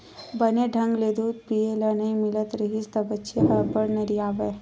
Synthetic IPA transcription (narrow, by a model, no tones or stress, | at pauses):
bəneɖʱɐ̃ŋɡleːd̪uːt̪̚pijelɐnɐĩmɪlət̪ɾəɦist̪ɐbətːʃeɦɐbəɽnɐɾiaːʋe